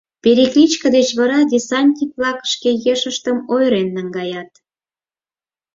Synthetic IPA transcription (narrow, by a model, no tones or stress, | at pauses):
peɾeklit͡ɕkəd̪et͡ɕβɑɾɑd̪ʲesɑnʲt̪ʲiplɑkəʃkejeʃəʃt̪əmojɾenːəŋɡɑjɑt̪̚